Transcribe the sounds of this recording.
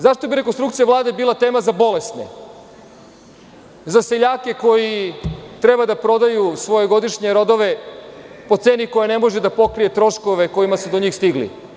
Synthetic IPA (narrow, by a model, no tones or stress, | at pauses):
zaʃt̪obiɾe̞k̬onst̪ɾukt̪siaʋlˠaːd̪e̞biːlˠat̪e̞ːmazabo̞le̞st̪nḛ | zase̞ʎaːke̞ko̞jit̪ɾebad̪apɾo̞d̪ajusʋo̞jeɡo̞d̪iʃɲe̞ɾo̞d̪o̞ʋe̞ | po̞t̪se̞ːniko̞janemo̞ʒed̪apo̞kɾije̞t̪ɾo̞ʃko̞ʋeko̞jimasud̪oɲiːxst̪iɡlḭ